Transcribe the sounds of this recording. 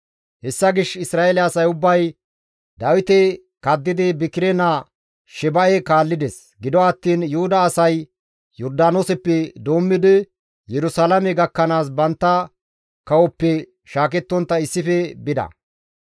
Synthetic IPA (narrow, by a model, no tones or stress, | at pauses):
hɛsːɐɡɪʃɪsɾaːɛlɛːsɐjʊbːɐj | d̪ɐwɪt̪ɛ | kɐd̪ːɪd̪ɪbɪkɪɾɛna | ʃɛbɐʔɛkaːlːɪd̪ɛs | ɡɪd̪ɔɐt̪ːiːnjʊhʊd̪ɐːsɐj | jɔɾd̪aːnosɛpːɛd̪o̞ːmːɪd̪ɪ | jɛɾʊsalɐmɛɡɐkːɐnaːs̬bɐnt̪ːɐ | kɐwɔpːɛ | ʃaːkɛt̪ːɔnt̪ːɐɪsːɪfɛbɪd̪ɐ̰